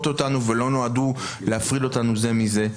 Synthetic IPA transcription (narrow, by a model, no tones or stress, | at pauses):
t̪o̞tanuve̞lo̞noad̪u | leafʁido̞t̪anuze̞mize̞